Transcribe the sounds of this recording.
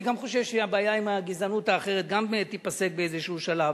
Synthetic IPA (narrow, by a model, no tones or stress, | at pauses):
ɡamχo̞ʃevʃeabaːjaimaɡizanut̪aːχe̞ʁet̪̚ɡambeet̪ːipase̞k̚beejzeʃuuʃalav